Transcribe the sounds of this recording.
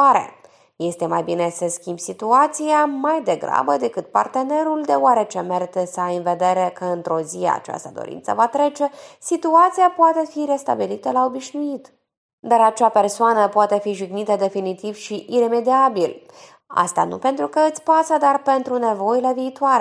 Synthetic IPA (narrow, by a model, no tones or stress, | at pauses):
aɾe̞̰ | je̞st̪e̞majbine̞səskʲimbsit̪uat̪siamajd̪e̞ɡɾa̰bəd̪e̞kɨt̪̚pa̰rt̪e̞ne̞ɾuld̪e̞oaɾe̞t͡ʃe̞meɾit̪esəajɨnve̞d̪e̞ɾe̞kəɨnt̪ɾo̞zijḛa̰t͡ʃa̰st̪əd̪o̰ɾḭnt̪sə̰vat̪ɾe̞t͡ʃe̞sit̪uat̪sijapoat̪e̞fiɾe̞st̪a̰bilit̪əlao̞biʃnuit̪ | d̪aɾat͡ʃape̞rsoanəpoat̪e̞fiʒiɡnit̪əd̪e̞finit̪iv̥ʃiʔiɾe̞me̞d̪iabil | a̰st̪a̰nṵpe̞nt̪ɾukəɨt̪sʲpasəd̪arpe̞nt̪ɾune̞vo̞jile̞viːt̪waɾe